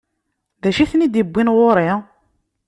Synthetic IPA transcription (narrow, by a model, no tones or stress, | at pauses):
ðæʃiθnid̪ibʷːinʁoɾˤi